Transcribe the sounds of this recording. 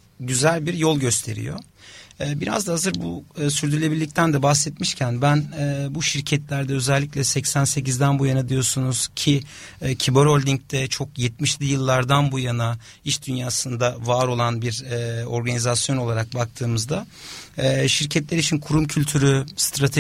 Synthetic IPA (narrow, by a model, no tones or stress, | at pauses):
ɟyzælʲbiɾjo̞lˠɟø̞st̪ʰe̞ɾḭjo̞̰ | ɛːbiɾa̰zd̪aɦazɯɾbuːsyɾd̪ylʲe̞biɾlʲic̚t̪ʰænd̪ɛbahsɛt̪miʃcʰænbænɛːbuʃiɾcʰɛt̪lʲæɾd̪ɛø̞zɛlʲːicʲlʲɛsɛcsænse̞cizd̪ænbujanad̪ijo̞sunuz̥cʰicʰibøɾolʲd̪ʲiɲc̚t̪ʰɛt͡ʃʰo̞kjɛt̪̚miʃlʲijɯlˠːaɾd̪anbujana | iʃd̪ynjaːsɯnd̪avaːɾo̞lˠanbiɾɛːo̞ɾɡanizasjo̞no̞lˠaɾak̚bak̚t̪ʰɯːmɯzd̪aɛːʃiɾcʰɛt̪lʲeɾit͡ʃʰinkʰuɾumcʰylʲt̪ʰyɾyst̪ɾat̪ʰe